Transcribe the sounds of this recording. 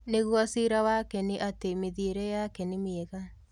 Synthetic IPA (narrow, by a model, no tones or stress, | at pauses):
neɣwɔsiɾawakɛneʔatemeðieɾɛjakɛnemiɛɣa